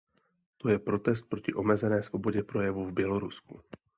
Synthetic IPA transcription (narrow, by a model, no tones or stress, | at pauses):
t̪o̞jɛpɾo̞t̪ɛst̪̚pɾo̞cɪʔo̞mɛzɛnɛːsvo̞bo̞ɟɛpɾo̞jɛvuvbjɛlo̞ɾusku